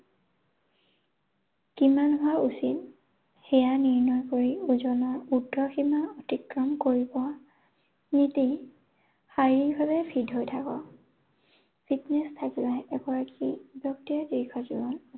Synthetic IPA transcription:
kimanɦʊwaʔusit̚ | xɛjaniɹnɔjkoɹiuzɔnɔɹudʱːɔximaɔtikɹɔmkoɹibɔ | niti | hajɹiɹbʱaβɛpʰidɦojtʰakɔ | pʰitnɛstʰakilajɛɡɔɹakibjɔk̚tiadikʰɔzibɔn

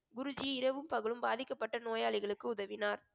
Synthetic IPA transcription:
ɡʊɾʊd͡ʒɪjɪɾɐʋɯmpɐɣɯɭɯmbaːðɪkːɐpːɐʈːɐnoːjaːɭɪɣɐɭɯkːɯʊðɐʋɪnaːɾ

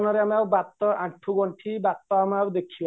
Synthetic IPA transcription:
nɔɾeamiawbat̪ːɔʔaʈʰuɡɔɳʈʰibat̪ːɔamawd̪ekʰiɔ

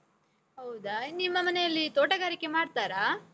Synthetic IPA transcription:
ɦɐwd̪ɐnimːɐmɐnejɐlːit̪oːʈɐɡaːɾikːe̞maːɖt̪aːɾa

